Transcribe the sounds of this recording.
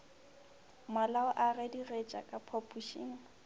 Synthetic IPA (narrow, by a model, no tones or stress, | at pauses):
malaʊʔarɛdiret͡ʃʼakʼapʰɔpʼuʃḭːŋ̩